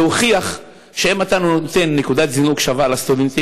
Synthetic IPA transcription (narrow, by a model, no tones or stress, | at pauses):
oχiaχ | ʃeemat̪anunoot̪e̞nːekud̪at̪zinuɡʃavalast̪ud̪ent̪i